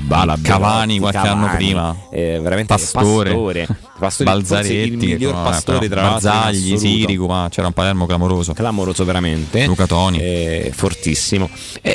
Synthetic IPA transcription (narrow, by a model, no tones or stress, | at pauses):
balakavaːnikwalkeanːopiːmaveɾamenpatassoːɾeoːɾe | past̪oːɾbald̪zaɾeiltːiiʎːorpast̪oːɾet̪ɾabazaʎːisiːɾikumat͡ʃɛːɾaumpalɛɾmoklamoɾoːzoklamoɾoːzoveɾament̪elukat̪ɔːnḭfort̪isːimo | ɛ